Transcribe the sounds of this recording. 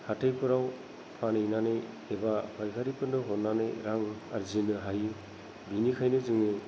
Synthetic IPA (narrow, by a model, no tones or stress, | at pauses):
hatʰejpʰɯɾaw | pʰanɯjnanej | ebapʰajkʰaɾipʰɯndɯɦɔtnanḛjɾaŋaɾzinɯɦaju | binikʰajnɯzɯŋnɯ